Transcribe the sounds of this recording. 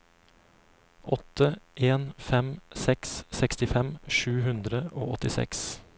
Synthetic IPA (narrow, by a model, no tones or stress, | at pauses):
ʔɔt̪əʔeːnfɛmsɛkssɛkst̪ɪfɛmʃʉːɦʉnd̪ɾəo̰ːɔt̪ɪsɛ̰ks